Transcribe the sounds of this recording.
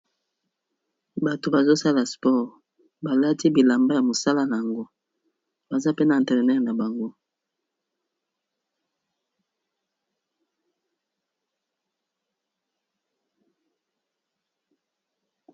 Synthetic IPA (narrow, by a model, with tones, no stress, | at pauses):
ba˨to˨ba˨zo˦sa˦la˨spɔ˦ʁ | ba˨la˦ti˦bi˨la˨mba˦ja˨mo˨sa˦la˦na˨a˨ŋɡo˦ | ba˨za˦pe˦na˨ɛ̃˨tɛ˨ʁnɛ˦tna˨ba˨ŋɡo˦